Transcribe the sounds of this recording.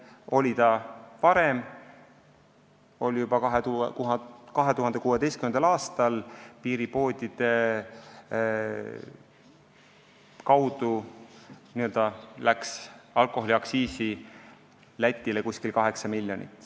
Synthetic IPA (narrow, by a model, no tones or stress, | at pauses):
o̞lʲit̪ɑvɑɾem | o̞lʲjub̥ɑkɑɦet̪ukukɑɦe̞t̪uɦɑnd̪̥ekuːwe̞d̪e̞jst̪kymend̪ɑlɑːst̪ɑlpiːɾipo̞ːd̪̥ʲid̪̥e̞ | kɑwd̪u | niø̞ld̪̥ɑlæksɑlko̞ɦoliɑksiːsi | læt̪ʲːˑilekusʲkilkɑɦe̞ksɑmilʲːjo̞nḭt̪ːˑ